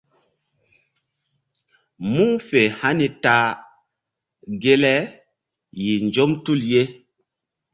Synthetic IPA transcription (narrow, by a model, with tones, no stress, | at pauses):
mu˦fe˨ha˦ni˨ta˨ | ɡe˦lɛ˦ | ji˨nd͡ʒo˦mtu˦˨lje˦